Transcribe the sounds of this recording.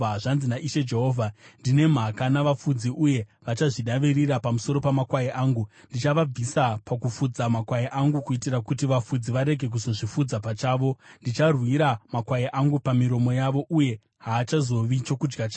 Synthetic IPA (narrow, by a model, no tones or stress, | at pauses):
ʐanzinaʔiʃe̞d͡ʒe̞ɦoːvʱandine̞m̤akanaʋafud͡ziʔuje̞ʋat͡ʃaʐiɗaʋiriɾapamuso̞ɾo̞pamakwajeʔaːŋɡu | ndit͡ʃaʋab͡visapakufud͡zamakwajeʔaŋɡukuitirakutiʋafud͡ziʋaɾe̞ɡʱe̞k̬uzo̞ʐifud͡zapat͡ʃaːʋo̞ndit͡ʃarwiɾamakwajeʔaŋɡupamiɾo̞mo̞jaʋo̞ʔuje̞ | ɦaːt͡ʃazo̞ʋit͡ʃo̞kud͡ʒɡat͡ʃa